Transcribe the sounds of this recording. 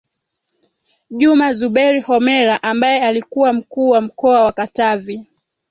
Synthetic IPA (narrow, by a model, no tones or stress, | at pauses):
ʄumazuɓɛɾihɔmɛɾaʔambajɛalikuwam̩kuːwam̩kɔawakatavi